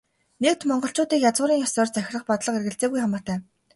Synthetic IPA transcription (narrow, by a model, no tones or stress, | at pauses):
nek̚t̪mɔɴɢɞ̆ɬt͡ɕʊːt̪iːkjat͡sʊːɾiːŋjɔsɔːrt͡sæx̆ʲrə̆χpɔt̪ɮə̆qerɣɘ̆ɬt͡seːɣujχamɔːt̪æː